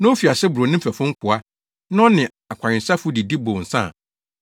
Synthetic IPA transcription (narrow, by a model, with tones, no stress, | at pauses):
nã˦o˦fi˨a˨sɛ˦bu˨ɾo˨nɪ̃˦m̩˦fæ˨fʊ̃˦ŋ̩˦kʰʊ˨a˦ | nã˦ɔ˦nɪ̃˨ | a˨kʷʰã˨ɲɪ̃˨sa˦fʊ˦di˨di˦bõ˨n̩˨sã̰˦˨